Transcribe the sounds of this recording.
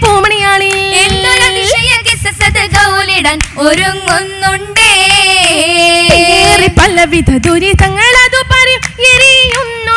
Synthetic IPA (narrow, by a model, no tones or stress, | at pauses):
poːmɐɳijaːɳienːolɐʋiʂɐjɐɡisɐsɐd̪ɨɡɐwliɽɐnoɾumonːuɳɖeː | ieripɐlːɐʋid̪ʱɐd̪uɾit̪ɐŋːɐlɐd̪upɐɾeɾiunː